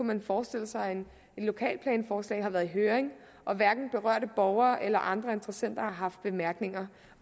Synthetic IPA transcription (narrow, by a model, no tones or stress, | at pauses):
umænfɒːsd̥e̝l̰əsɑ̈ɪen | e̝d̥lo̝kʰɛ̰ːlpʰlɛ̰ːnfɒːslɛ̰ːɦɑ̈ʋæːɐðˠiɦøːɐʁeŋ | ʔɒ̽ʋæɐɡ̥n̩b̥e̝ʁɶ̰ɐ̰ɾ̥əb̥ɒʊɐːʔelɐʔɑ̈nd̥ʁɐe̝nd̥ʁɐsen̰d̥ɐhɑ̈ɦɑ̈fd̥̚b̥e̝mæɐɡ̥ne̝ŋɐ